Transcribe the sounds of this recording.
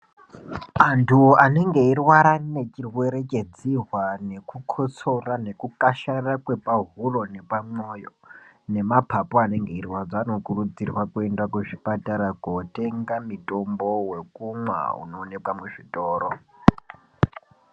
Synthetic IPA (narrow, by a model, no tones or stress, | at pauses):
antʰuane̞ŋɡe̞irwaɾane̞t͡ʃirwe̞ɾekʼe̞d͡zirwane̞kukʰot͡so̞rane̞kukaʃarakwe̞paɦuro̞ne̞pamo̞ːjone̞mapʰapoane̞ŋɡe̞irwad͡zaːno̞kurud͡zirwakuendwakweʐipataɾakoteŋɡamitʼo̞mbo̞we̞kumwa̰ṵno̞ːne̞kwamuʐitʼoːɾo